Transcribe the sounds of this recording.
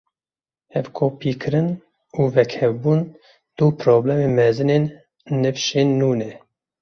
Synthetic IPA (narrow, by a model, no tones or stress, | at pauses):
ɛvkʰoːpʰiːkʰɨɾɨn | uːvɛkʰhɛvbuːn | d̪̥upʰɾoːblɛmeːmɛzɨneːnː | ɨfʃeːnːuːnɛ